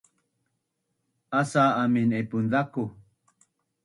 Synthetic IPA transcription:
asaːminepund̪aku

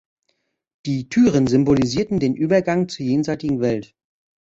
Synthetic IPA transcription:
d̥iːtʰyːʁənzʏmboliziːɐtn̩deːnʔyːbɐɡaŋt͡suːɐjeːnzaɪtɪɡŋ̩vɛlt

